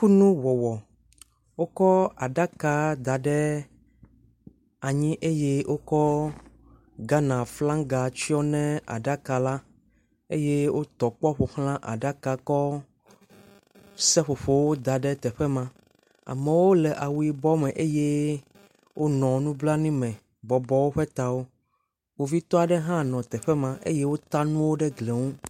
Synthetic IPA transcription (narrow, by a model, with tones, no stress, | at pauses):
ku˦nũ˦wɔ˨wɔ˨ | wo˦kɔ˦a˨ɖa˦ka˨d̪a˨ɖɛ˦ | a˨ɲĩ˦ʔe˦je˦wʔo˦kɔ˦ | ɡa˦nã˨flã˦ŋɡa˨t͡ʃi˦ɔ˦nɛ̃˦a̰˨ɖa˦ka˨la˦ | e˦je˦wʔo˦t̪ɔ˨k͡pɔ˦ɸo˨hl̃ã˦ʔa̰˨ɖa˦ka˨kɔ˦ | sɛ˦ɸo˨ɸo˨wo˦d̪a˨ɖɛ˦t̪ɛ˨ɸɛ˦mã˨ | a̰˨mɛ̃˨wo˦lɛ˨ʔa˨wu˨i˨bɔ˦mɛ̃˨ʔe˦je˦ | wʔo˦nɔ̃˨nũ˦bla˦nĩ˦mɛ̃˨ | bɔ˨bɔ˨wo˦ɸɛ˦t̪a˨wo˦ | wo˦vi˦t̪ɔ˦a˨ɖɛ˦ɦã˦nɔ̃˨t̪ɛ˨ɸɛ˦mã˨ʔḛ˦je˦wo˦t̪a˦nũ˦wo˦ɖɛ˦ɡle˨ŋũ˦